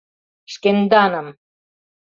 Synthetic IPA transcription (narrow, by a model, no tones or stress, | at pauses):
ʃkend̪anam